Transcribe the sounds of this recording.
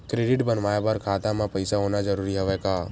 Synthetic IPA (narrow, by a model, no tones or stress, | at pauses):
kɾeːɖɪʈbənʋaːebəɾkʰaːt̪ãmãpəɪsaɦoːnad͡ʒəɾuːɾiɦɛʋɛkaː